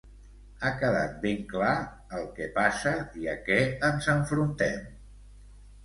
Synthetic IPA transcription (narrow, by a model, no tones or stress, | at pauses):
akəða̰t̪̚beŋkla | əlˠkɛpasəiəkɛənzəɱfɾunt̪ɛm